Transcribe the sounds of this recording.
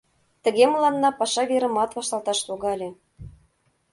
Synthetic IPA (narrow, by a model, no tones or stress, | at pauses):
t̪ə̆ɣeməlˠɑnːɑpɑʃɑβeɾə̆mɑt̪βɑʃt̪ɑlˠt̪ɑʃt̪oɣɑlʲĕ